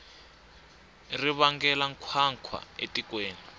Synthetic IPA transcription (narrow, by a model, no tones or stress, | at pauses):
riβaŋɡɛlaŋkʰwaŋkʰwa̰etikweːni